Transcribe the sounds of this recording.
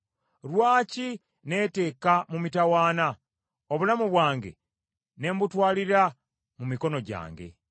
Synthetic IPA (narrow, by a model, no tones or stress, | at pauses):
ɾwaːci | ne̞ːte̞ːkamumitawaːna | oβulamuβwaːŋɡe̞̰ | ne̞ːmbutwaːliɾa | mumiko̞no̞ɟa̰ːŋɡe̞̰